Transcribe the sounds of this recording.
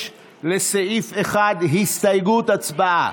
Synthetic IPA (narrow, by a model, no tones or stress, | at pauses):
le̞seʔifeχad̪ɦist̪ajɡut̪at͡sbaʔa